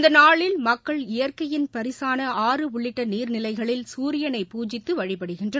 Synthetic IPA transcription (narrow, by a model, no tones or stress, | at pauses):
nd̪ɐnaːɭɪlmɐkːɐɭɪjɐɾkɐjɪnpɐɾɪsaːnɐaːrɯʊɭːɪʈːɐniːɾnɪlɐɪɣɐɭɪlsuːɾɪjɐnɐɪpuːd͡ʒɪt̪ːɯʋɐɻɪpɐɽɯɣɪndrɐ